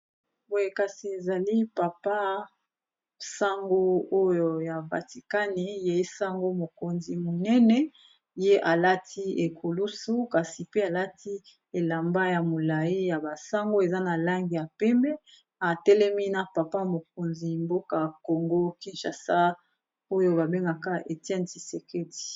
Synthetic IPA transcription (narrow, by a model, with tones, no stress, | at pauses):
wka˨si˨e˨za˨li˦pa˨pa˦ | sa˦ŋɡo˦o˦jo˨ja˨va̰˨ti˨ka˦ni˨je˨i˦sa˦ŋɡo˦mo˨ko˨nzi˨mo˨nɛ˦nɛ˦ | je˦ʔa˨la˦tʰi˦e˨kʰo˨lu˦su˦ka˨si˨pe˦a˨la˦tʰi˦ | e˨la˨mba˦ja˨mo˨la˨i˦ja˨ba˨sa˦ŋɡo˦e˨za˦na˨la˦ŋɡi˨ja˨pɛ˦mbɛ˦ | a˨tɛ˦lɛ˦mi˦na˨pa˨pa˦mo˨k̚o˨nzi˨mbo˦ka˨ko˨ŋɡo˦ki˦nʃa˨sa˦ | o˦jo˦ba˨be˦ŋɡa˨ka˦ʔe˨tɛ˦nti˨se˨ke˦ti̥˨